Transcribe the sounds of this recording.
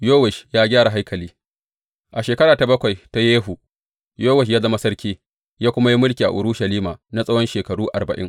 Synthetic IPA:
joː˦wɛ˨ʃjaː˦ɡʲaː˦ɾa˨ɦa˦jkʰɐ˨liː˦ | ʔa˨ʃeː˨kɐ˦ɽaː˨ta˨bɐ˦kʷa˨jta˦jeː˦ɦu˨ | joː˦wɛ˨ʃ̬jaː˦zɐ˦ma˦sɐ˦ɾkʲiː˦ | jaː˦kʷʊ˦ma˦ji˦mʊ˦lkʲi˨a̰˨ʔʊ˨ɾʊ˦ʃɐ˨liː˦maː˨na˦sʼɐ˦wɔ˦nʃeː˨kɐ˨ɽuː˦ʔa̰˨rbɐ˨ʔɪ̰˦ŋ

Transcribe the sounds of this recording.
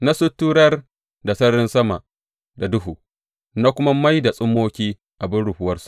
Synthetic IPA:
na˦sʊ˦tːuː˦ɽɐ˦r | da˨sɐ˦ɽɪ˦nsɐ˦ma̰˨ʔ | da˨dʊ˦ɦuː˨ | na˦kʷʊ˦ma˦ma˦jda˨sʼʊ˦mːoː˦kʲiː˦ | ʔa˨bɪ˦nɽʊ˨hʊ˦wɐ˦rsu̥˨ʔ

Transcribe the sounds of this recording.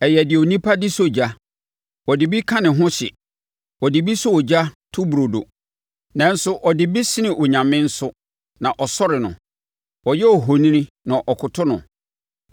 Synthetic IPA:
ɛ˨jɛ˨dɪ˨o˨nĩ˦pʰa˦dɪ˦so˦˨d͡ʑa˦ | ɔ˨dɪ˨bi˦kʰã˦nɪ̃˨ɦʊ̃˦ɕɪ̰˨ | ɔ˨dɪ˨bi˦sʊ˦ɔ˨d͡ʑa˦tʰʊ˦bu˨ɾo˨do̰˨ | nã˨n̩˦sʊ˦ʔɔ˨dɪ˨bi˦sɪ˦nɪ̃˨ʔɔ˨ɲã˨mɪ̃˦n̩˦sʊ˦ | nã˨ʔɔ˨sɔ˦ɾɪ˨nʊ̰̃˨ | ɔ˨jɛ˦ɔ˨ɦo˨nĩ˦nĩ˦ | nã˨ʔɔ˨kʰʊ˨tʰʊ˦nʊ̰̃˨

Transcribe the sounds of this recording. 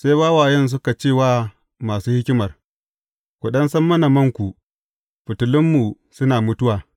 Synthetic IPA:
sa˦jbaː˦waː˨jɛ˦ns̬ʊ˦ka˨t͡ʃeː˦˨waː˦ | maː˨suː˦hɪ˦kʲɪ˦mɐ˨r | kʷu˨ɗɐ˦nsɐ˦mːɐ˦na˨mɐ˦ŋkʷu˨ | ɸɪ˨tʊ˨lɪ˦mːu˨ | sʊ˦naː˨mʊ˦tʊ˦waː˨

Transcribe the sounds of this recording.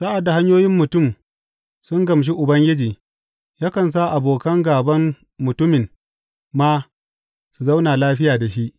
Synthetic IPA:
sa˦ʔa˨dːa˨ɦa˦ɲjoː˦jɪ˦mːʊ˨tʊ˦˨m | sʊ˦ŋɡɐ˨mʃ̬i˦ʔʊ˨bɐ˦ŋɡʲɪ˦d͡ʒiː˨ | jaː˦kɐ˨ns̬a˦ʔa˨boː˨kɐ˦ŋɡaː˨bɐ˦mː | ʊ˨tʊ˦mɪ˨m | maː˦ | su˨za˦wnaː˨laː˦ɸɪ˦jaː˨da˨ʃi˦ʔ

